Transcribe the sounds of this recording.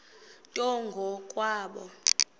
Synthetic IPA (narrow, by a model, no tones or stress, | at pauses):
tʼɔŋɡʱɔkʼwaːɓɔ